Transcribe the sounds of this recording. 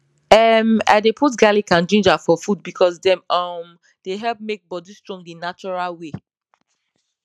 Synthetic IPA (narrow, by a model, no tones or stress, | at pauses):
ɛma̰ɪdepʰut̬ɡalikãnd͡ʒĩnd͡ʒafɔfud̚bikʰɔsdɛ̃mɔm | d̥eɦɛlp̚mek̚bɔdistɹɔ̃ŋɡinat͡ʃɔɹalwe